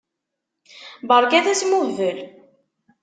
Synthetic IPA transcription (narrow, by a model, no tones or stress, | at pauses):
bəɾˤɡæðæsmuvəl